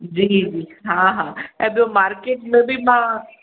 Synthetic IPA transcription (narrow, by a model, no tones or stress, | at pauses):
d͡ʒiːd͡ʒiːɦãːɦãːɛb̪omaːɾkeːʈmẽbʱimãː